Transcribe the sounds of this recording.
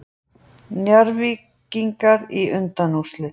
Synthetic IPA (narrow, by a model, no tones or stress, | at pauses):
njaɾvi | ciŋkaɾiʏnt̪anust̪lɪ